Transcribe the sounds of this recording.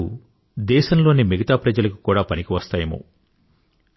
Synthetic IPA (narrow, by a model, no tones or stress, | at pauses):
u | d̪ɛːʃɐmlo̞ːnimiɡɐt̪aːpɾɐd͡ʒɐlɐku̥kuːɽaːpɐnikiʋɐst̪aːjɐmṵ